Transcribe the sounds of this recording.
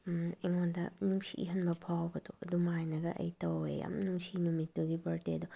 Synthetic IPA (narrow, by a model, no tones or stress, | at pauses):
eŋondɐ̰nuŋsḭʔḭɦɐnbɐpʰawbɐduɐdumajnɐɡɐ̰ʔɐ̰jtɐwḛja̰mnuŋsinumitːuɡibɐɾteɐdu